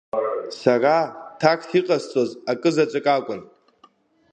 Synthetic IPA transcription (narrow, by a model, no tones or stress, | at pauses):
saratʰakʰtʰiqʼazt͡sʼozakʼɨzat͡ʃʷʼɪkʼakʷʼʊn